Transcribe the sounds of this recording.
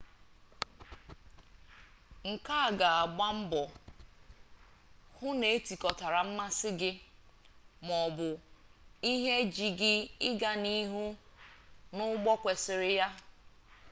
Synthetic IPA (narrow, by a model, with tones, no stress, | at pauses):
ŋ̩˨ka˦a˨ɡa˨a˨ɡ͡ba˦m̩˦bɔ˨ | hʊ˦ne˨e˦ti˨kɔ˨ta˨ɾa˨m̩˦ma˦sɪ˦ɡɪ˦ | mɔ˨bʊ˨ | i˦ɦe˦d͡ʒi˨ɡɪ˦ɪ˦ɡa˦ni˦ɦu˦ | nʊ˦ɡ͡bɔ˦kʷe˨sɪ˨ɾɪ˦ja˦